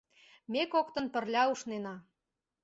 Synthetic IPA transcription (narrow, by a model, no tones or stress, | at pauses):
mekokt̪ə̆npə̆rlʲɑuʃnenɑ